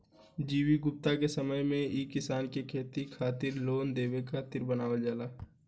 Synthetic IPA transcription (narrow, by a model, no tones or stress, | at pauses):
d͡ʒiːwiɡʊp̚t̪akesəməjmẽiːkɪsaːnkekʰeːt̪ikʰaːt̪ɪɾloːnd̪eːwekʰat̪ɪɾbənaːʋəld͡ʒaːlaː